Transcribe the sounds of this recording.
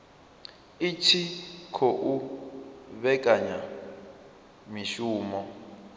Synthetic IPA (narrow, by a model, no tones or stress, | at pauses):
it͡ʃʰikʰoʔu | βɛkʼaɲa | miʃuːmɔ